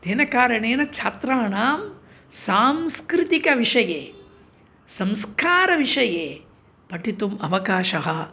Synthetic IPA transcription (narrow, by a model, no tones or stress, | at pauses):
d̪eːnɐkaːɾɐɳeːnɐt͡ʃʰaːt̪ɾaːɳaːm | saːmskɾɪt̪ikɐʋiʂɐjeː | sɐmskʰaːɾɐʋiʂɐjeː | pɐʈit̪umɐʋɐkaːʃɐɦɐ